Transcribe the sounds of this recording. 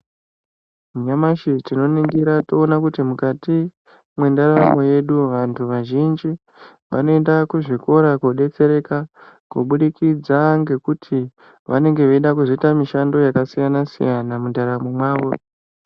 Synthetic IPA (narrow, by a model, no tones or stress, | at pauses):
ɲamaʃitino̞niŋɡiɾato̞ːnakutimukati | mwe̞ndaɾamo̞je̞ɗuʋantʰuʋaʒind͡ʒi | ʋa̰no̞endakuʐiko̞ɾakoɗe̞t͡se̞ɾe̞ka | ko̰ɓuɗikid͡zaŋɡe̞kutʰi | ʋane̞ŋɡe̞ʋeiɗakuzoitamiʃando̞jakasijanasḭjanamundaɾamomwaːʋo̞